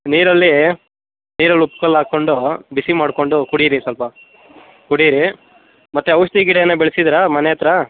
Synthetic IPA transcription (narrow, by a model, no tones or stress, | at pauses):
niːɾɐlːi | niːɾɐlːupkɐlːaːko̞ɳɖubisimaːɽko̞ɳɖukuɽiɾisɐlpɐ | kuɽiɾi | mɐt̪ːuɐʋʂt̪iɡiɽejɐnːɐbeɭisid̪ɾɐmɐnejɐt̪ɾɐ